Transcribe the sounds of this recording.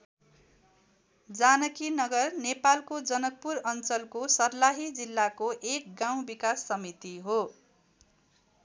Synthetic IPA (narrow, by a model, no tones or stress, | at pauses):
d͡zanʌkinʌɡʌrnepalkod͡zʌnʌk̚puɾʌnt͡sʌlkosʌrlaɦid͡zilːakoʔek̚ɡãw̃bikasːʌmit̪iɦo